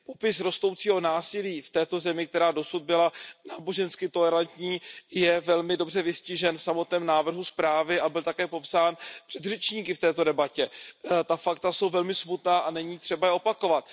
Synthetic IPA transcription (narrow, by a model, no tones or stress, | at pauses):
po̞pɪsɾo̞st̪ow̪t͡siːɦo̞naːsɪliːft̪ɛːt̪o̞zɛmɪk̚t̪ɛɾaːdo̞sud̪̚bɪlanaːbo̞ʒɛnskɪt̪o̞lɛɾant̪ɲiːjɛvɛlmɪdo̞br̝ɛvɪscɪʒɛnfsamo̞t̪nɛːmnaːvr̩ɦuspɾaːvɪʔabɪlt̪akɛːpo̞psaːnpr̝̥ɛd̪rɛt͡ʃɲiːkɪft̪ɛːt̪o̞dɛbacɛt̪afakt̪aso̞wvɛlmɪsmut̪naːʔanɛɲiːt̪r̥ɛbajɛo̞pako̞vat̪̚